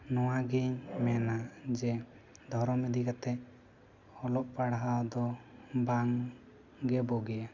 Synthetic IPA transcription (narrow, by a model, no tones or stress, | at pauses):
nɔwaɡɛɲmɛnad͡ʒɛ | d̪ʱɔɾɔmid̪ikat̪ɛ | hɔlɔʔpaɽɦawd̪ɔbaŋ | ɡɛbɔɡɛja